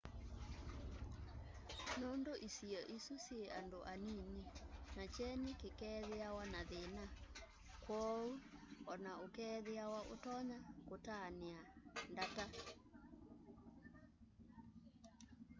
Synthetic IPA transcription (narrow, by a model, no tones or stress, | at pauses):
nondoʔisiɔʔisusjeʔandoʔanininat͡ʃɛnikekɛðeawanaðena | kwɔuɔnaokɛðeawaʔo̰tɔɲakotaneandata